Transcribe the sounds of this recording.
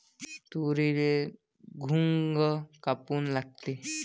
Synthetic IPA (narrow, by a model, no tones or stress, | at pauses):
t̪uɾile | ɡʱuŋɡkapuːnlaɡ̚t̪e